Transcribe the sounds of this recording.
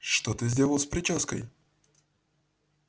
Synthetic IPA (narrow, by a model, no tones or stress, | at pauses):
ʂt̪ot̪ɨzʲdʲelˠəlˠspɾʲɪt͡ɕoskə̰j